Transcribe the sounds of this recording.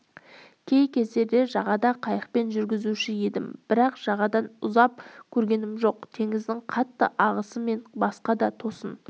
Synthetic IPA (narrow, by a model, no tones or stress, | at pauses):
kʲʰe̞jkʲʰe̞zd̪e̞ɾd̪e̞ʒɑʁɑd̪ɑqʰɑjəq̚pe̞nʒʏɾɡʲɪzuʃɪje̞d̪ɪmb̥ɪɾɑqʒ̥ɑʁɑd̪ɑnʊzɑp̚kʲʰɵɾɡʲe̞nɪmʒo̞qt̪ʰe̞ŋɪzd̪ɪŋqʰɑt̪ːə̰ʔɑʁəsəme̞nbɑsqɑd̪ɑt̪ʰo̞sən